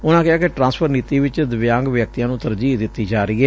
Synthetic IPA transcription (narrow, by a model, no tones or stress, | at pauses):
ʊnãːkɪɦaːkeʈɾãːnspʰəɾniːt̪iːʋɪt͡ʃd̪əʋjãːŋɡʋjək̚t̪ijãːnũːt̪əɾd͡ʒiːd̪ɪt̪ːiːd͡ʒaːɾiːɛː